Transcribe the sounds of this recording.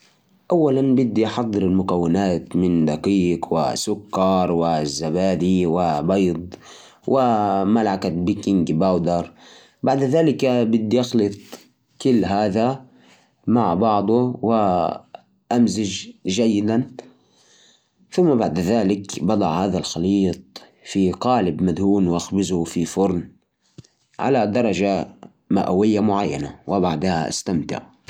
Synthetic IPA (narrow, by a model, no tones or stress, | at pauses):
ʔawːalanbɪd̪ːiʔɑħɑd̪ˤːɨɾɪlmʊkawːɪnaːt̪mɪnd̪aqiːkwɪ̰sʊkːɑɾˤwɪzːabaːd̪iwɪbɑjd̪ˤ | wʔɪmalakat̪bɪkɪŋɡbawd̪ɑɾˤ | baʕd̪ðaːlɪkabɪd̪ːiʔɑxlɨt̪ˤ | kʊlːɦaːða | maʕbɑʕd̪ˤʊwɪ | ʔamzɪd͡ʒʒajːɪd̪an | θʊmːabaʕd̪ðaːlɪkbɑd̪ˤɑʕhaːðalxɑliːt̪̚ˤ | fiqɑːlɪbmad̪huːnwʔaxbɪzufifʊɾˤn | ʕa̰lad̪ɑɾˤɑʒa | ma̰ʔa̰wɪjːamʊʕajːa̰na̰wɪbaʕd̪ha̰ʔa̰st̪amt̪ɪ̰ʕ